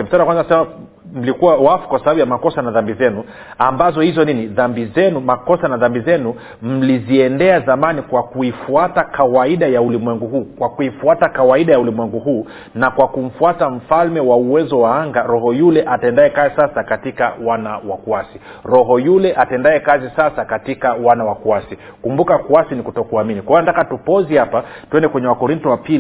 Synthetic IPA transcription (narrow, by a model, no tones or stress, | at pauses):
m̩saɾakwanzanasɛma | m̩likuwawafu̥kwasabaɓujamakɔsanaðambizɛnu | ambazɔhizɔniniðambizɛnumakɔsanaðambizɛnu | m̩liziɛndɛazamanikwakuifuatakawaiɗajaulimwɛŋɡuhuːkwakuifuatakawaiɗajaulimwɛŋɡuɦuː | nakwakum̩fuatam̩falmɛwauwɛzɔwaaŋɡaɾɔhɔjulɛʔatɛndaɛkazisasakatikawanawakuasi | ɾɔɦɔjulɛʔatɛndaɛkazisasakatikawanawakuasi | kumbukakuasinikutɔkuaminikwaianatakatupɔzihapatuɛndɛkwɛɲɛwakɔɾintɔwapil